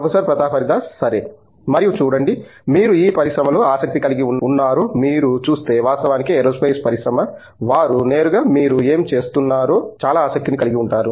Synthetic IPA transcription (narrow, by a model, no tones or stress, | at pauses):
pʰɐsɐɾpɾɐt̪aːpʰɐɾid̪aːsɐɾe | mɐɾijut͡ʃuːɽɐɳɖimiːɾuiːpɐɾisɾɐmɐlo̞ːaːsɐk̚t̪ikɐliɡiuunːaːɾoːmiːɾut͡ʃuːst̪e̞ːʋaːst̪ɐʋaːnikiɛɾoːspɐjspɐɾisɾɐmɐ | ʋaːɾune̞ːɾuɡaːmiːɾue̞ːmt͡ʃe̞ːst̪unːaːɾo̞ːt͡ʃaːlaːaːsɐk̚t̪inikɐliɡiuɳʈaːɾu